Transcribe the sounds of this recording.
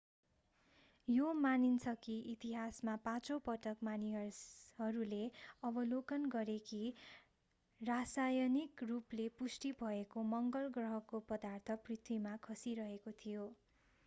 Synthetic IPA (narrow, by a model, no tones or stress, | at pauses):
jomanint͡sʰʌkiit̪iɦasmapãt͡sopʌʈʌkmaniɦʌsɦʌɾuleʌbʌlokʌnɡʌɾeki | rasajʌnikruplepusʈibʱʌekomʌŋɡʌlɡrʌɦʌkopʌd̪art̪ʰʌprit̪ʰwimakʰʌsiɾʌɦekot̪ʰijo